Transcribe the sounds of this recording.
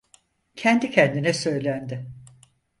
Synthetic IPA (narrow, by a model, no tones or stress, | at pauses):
cʰɛnd̪icʰɛnd̪inɛsø̞jlʲænd̪ɪ